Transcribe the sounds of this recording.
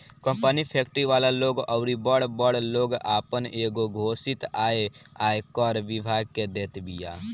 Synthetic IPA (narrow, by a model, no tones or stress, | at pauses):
kə̃mpənipʰeːkʈɾiʋaːlaloːɡɔʊɾibəɽbəɽloːɡaːpəneːɡoɡʱoːsɪt̪aːeaːekɔːɾʋɪbʱaːɡ̚ked̪eːt̪bija̰ː